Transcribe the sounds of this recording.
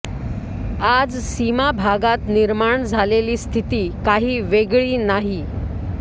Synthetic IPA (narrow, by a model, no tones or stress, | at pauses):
ad͡zsimabʱaɡat̪niɾmaɳd͡zʱaleliːst̪ʰit̪iːkaɦiːʋeɡɭiːnaɦi